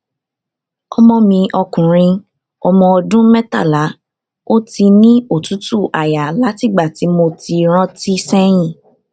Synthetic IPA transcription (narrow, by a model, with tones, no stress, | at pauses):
ɔ˧mɔ̃˧mĩ˧ʔɔ˧kũ˨ɾ̃ĩ˧ | ɔ˧mɔ̃˧ɔ˧dũ˦mɛ˦ta̰˦˨la˨˦ | o˦ti˧nĩ˦o˦˨tu˨˦tu˦˨ʔa˨ja˨la˨˦ti˦˨ɡ͡ba˦˨ti˨˦mo˧ti˧ɾ̃ɔ̃˦ti˦sɛ˦j̃ĩ˦˨